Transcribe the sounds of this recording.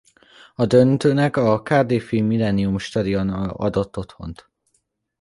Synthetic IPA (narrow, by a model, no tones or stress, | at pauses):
ɒd̪ønt̪øːnɛkɒkaːd̪eːfilmilɛniumʃt̪ɒd̪iɒnɒ̰d̪o̞t̪ːo̞t̪ho̞̰nt̪